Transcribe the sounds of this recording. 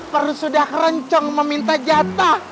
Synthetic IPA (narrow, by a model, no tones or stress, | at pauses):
pərlusudahrəɲt͡ʃɔŋməmint̪ad͡ʒat̪a